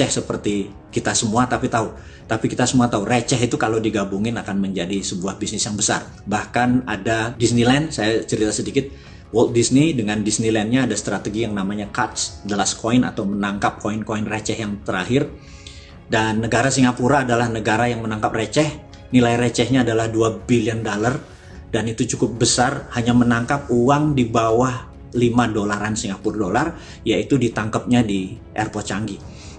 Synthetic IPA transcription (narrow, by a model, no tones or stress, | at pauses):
ɛhsəpərt̪i | kit̪asəmuat̪apit̪au | t̪apikit̪asəmuat̪auret͡ʃɛɦit̪ukalawdiɡabuŋɪnakanməɲd͡ʒadisəbuahbisnɪsjaŋbəsa̰r | bahkanadadisnilɛnsajat͡ʃəɾit̪asədikɪt̪̚ | wɔlt̪̚disnidəŋandisnilɛnɲaːdast̪ɾat̪əɡijaŋnamaɲakat̪sdəlaskʰoɪna̰t̪awmənaŋkap̚koɪnkoɪnret͡ʃɛɦjaŋt̪əɾaɦɪr | danːəɡaɾasiŋapuɾaːdalahnəɡaɾajaŋmənaŋkap̚ret͡ʃɛh | nilajɾet͡ʃɛhɲaːdalahduabiliəndolar | danit̪ut͡ʃukʊp̚bəsarhaɲamənaŋkap̚uwaŋdibawah | limadolaɾansiŋapʊrdolar | jait̪udit̪aŋkap̚ɲadi | ʔɛ̰rpɔt͡ʃaŋɡi